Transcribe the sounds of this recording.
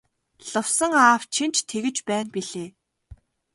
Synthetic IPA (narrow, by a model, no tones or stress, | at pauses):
ɮʊ̆wsə̆ŋaːw̥t͡ɕʰin̥t͡ɕt̪ʰeɣɘ̆t͡ɕpæːnpiɮeː